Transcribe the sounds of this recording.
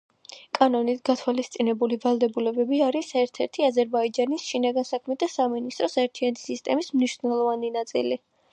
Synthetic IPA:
kʼanɔnit̪ʰɡat̪ʰwalist̪sʼinɛbulivalˠd̪ɛbulɛbɛbiaɾisɛɾt̪ʰɛɾt̪ʰiazɛɾbaid͡ʒanisʃinaɡansakʰmɛt̪ʰasaminist̪ʼɾɔsaɛɾt̪ʰianɛt̪ʰi̥sist̪ʼɛmismniʃvnɛlˠɔvaninat̪sʼḭli

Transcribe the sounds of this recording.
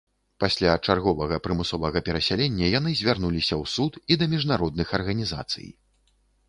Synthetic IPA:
pasʲlʲat͡ʂarɣɔvɐɣɐpɾɨmɨsɔvɐɣɐpʲɛɾɐsʲalʲenʲːɐjan̪ɨzʲvʲarnulʲisʲɐwsut̪id̪ɐmʲiʐnaɾɔd̪̚nɨxɐrɣɐnʲiza̰t̪sɨ̰j

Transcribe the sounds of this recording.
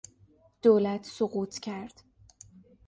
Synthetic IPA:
d̪̥oːlæt̪ʰsoɣuːt̪ʰcʰæɾd̪̥

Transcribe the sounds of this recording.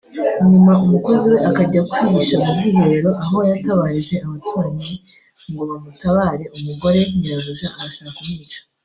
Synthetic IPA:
ɲumaʔumuko̞ziwe̞ʔakaɟakuiɡiʃamubɡiːβoɾeɾo̞ʔaɦo̞jataβaːɾiʒe̞amatuɾaɲi | ŋɡo̞βamutaβaːɾe̞ʔumuɡo̞ɾe̞ɲiɾazuʒaʔːɾaʃaβakumiːʃḁ

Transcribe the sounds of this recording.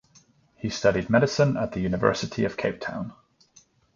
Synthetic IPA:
histʌɾid̚mɛɾɪsə̃nə̰ʔðəjʉːnɪvɜ̰ˑsɪtʰiəv̥kʰeɪp̚tʰã̰ʊ̃n

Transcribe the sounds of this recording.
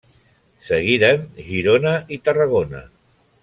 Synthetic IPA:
səɣ̞iɾənʒiɾonəʔit̪ərəɣ̞onə̰

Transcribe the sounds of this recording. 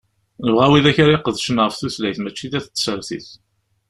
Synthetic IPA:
nəvʁæwiðæçɾeqːəðʃənʁəfθuθlæjθmæt͡ʃːiðæθət͡sːsəɾθḭθ

